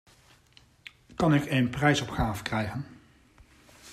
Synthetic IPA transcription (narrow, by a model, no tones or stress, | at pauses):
kɑnɪkeːnprɛjsɔpχaːvəkrɛjχən